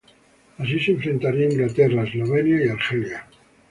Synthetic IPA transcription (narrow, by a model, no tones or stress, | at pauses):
as̬isẽɱfɾe̞nt̪aɾiaiŋɡlat̪eraezlo̞β̞enjaiaɾxelja